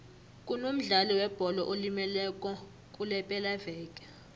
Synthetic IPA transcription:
kʼunom̩ɮalɔwɛb̥ʱɔlɔʔolimɛlɛk̬ʼɔ | kʼulɛpʼɛlavɛːɡʱʼɛ

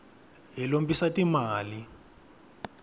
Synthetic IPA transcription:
ɦilombisatimaːli

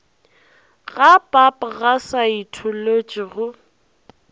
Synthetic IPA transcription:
ɣapʼapʼɣasaitʰʊlot͡ʃʼɪɣʊ

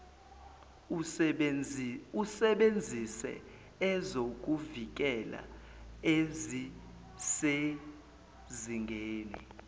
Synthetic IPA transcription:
usɛɓend͡zʱisɛ̰ | zok̬ʼuvik̬ʼɛla̰ | ezi | se | ziŋɡʱeːnɛ̰

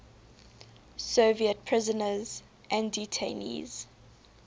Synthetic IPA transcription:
soviət̚pʰɹɪzənəz | ʔæ̃nditʰenḭz̥

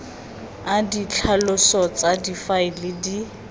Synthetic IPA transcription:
adit͡ɬʰalʊsɔt͡sadifaɪlɪdi

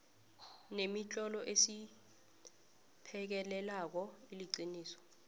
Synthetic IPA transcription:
nemit͡ɬʼɔlɔʔesi | pʰɛk̬ɛlɛlak̬ɔiliǀiniːsɔ̥

